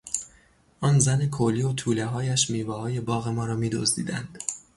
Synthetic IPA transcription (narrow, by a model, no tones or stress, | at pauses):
ʔɒːnzæne̞kʰoliːot̪ʰuːleɦɒːjæʃmiːvɒːhɒːje̞bɒːɣe̞mɒːɾɒːmiːd̪ozd̪ḭːd̪ænd̪̥